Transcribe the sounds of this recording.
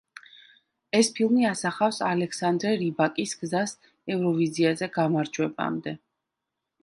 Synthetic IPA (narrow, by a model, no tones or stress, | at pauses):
ɛspʰilˠmiasaχafsalɛksand̪ɾɛɾibakʼisɡ̥zas | ɛvɾɔviziazɛɡamaɾd͡ʒwɛba̰md̪ɛ